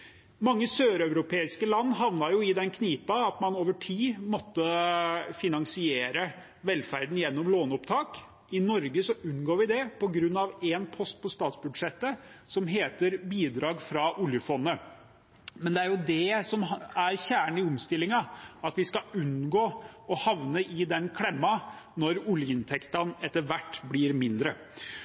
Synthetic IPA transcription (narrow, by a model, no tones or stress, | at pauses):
mɑŋːəsøːɾœʉɾʊpʰeːɪskəlɑnːɦɑʋnɑɾjʊɪd̪ɛnkʰniːpɑɑt̪mɑnoːʋəʈʰiːmɔt̪ːəfɪnɑŋsɪeːɾə | ʋɛlfæɾd̪n̩jɛnːɔmloːnʊpt̪ʰɑːk | ɪnɔɾɡəsɔʔʉnːɡoːɾʋɪd̪ɛpɔɡɾʉnːɑʋɛnpʰɔst̪̚pʰɔst̪ɑːt̪sbʉd̪ʂɛt̪ːəsɔmɦeːt̪əɾbiːd̪ɾɑːɡfɾɑʔʊljəfɔnːə | mɛnd̪ɛæɾjʊd̪ɛsɔmæɾçæːɳ̩ɪʊmst̪ɪlːɪŋɑɑt̪ʋɪskɑʉnɡoːɔhɑʋnəʔɪd̪ɛnkʰlɛmːɑnɔɾʊljəɪnt̪ʰɛkt̪ɑnɛt̪ːəɾʋæʈːblɪːɾmɪnd̪ɾə